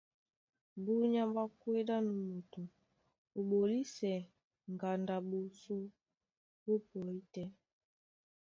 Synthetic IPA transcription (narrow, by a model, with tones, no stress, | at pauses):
bu˦ɲa˦mba˦kwe˦da˦nu˨mo˨tu˨ | o˨ɓo˨li˦sɛ˨ | ŋɡa˨nda˨bo˨so˦ | bo˦pɔ˨i˦tɛ˦